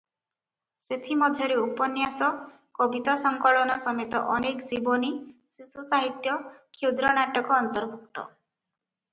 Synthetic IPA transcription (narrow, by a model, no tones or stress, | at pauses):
set̪ʰimɔd̪ʱjɔɾeupɔnjasɔ | kɔbit̪asɔŋkɔɭɔnɔsɔmet̪ɔʔɔnekd͡ʒibɔni | sisusaɦit̪jɔkʰud̪ɾɔnaʈɔkɔːnt̪ɔɾbʱukt̪ɔ̰